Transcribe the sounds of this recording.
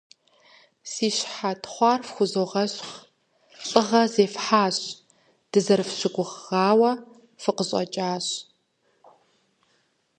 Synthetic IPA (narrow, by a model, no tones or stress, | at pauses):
siːɕħatʰχʷɑːrfxʷʊzoːʁɐɕx | ɬʼɨʁɐzeːfħaːɕ | d̥ɨzɐrfɕɪɡʷʊʁʁɑːwɐ | fɨqəɕʼɐ̰t͡ʃʼaːɕ